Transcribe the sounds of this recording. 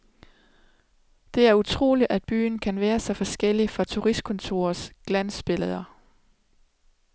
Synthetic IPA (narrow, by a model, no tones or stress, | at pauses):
d̥e̝æɐut͡sʰʁo̝̰ːliʔæd̥̚b̥y̰ːn̩kʰænʋæːɐsɒ̽fɒ̽sɡ̥el̰ifɒ̽t͡sʰuʁisd̥̚kʰɔ̽nt͡sʰo̝ːɐsɡ̥lænsb̥e̝lð̩ˠɐ